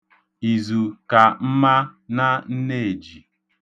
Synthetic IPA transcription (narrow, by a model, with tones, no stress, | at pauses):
i˨zu˨ka˨m̩˦ma˦na˦n̩˦ne˦e˨d͡ʒi˨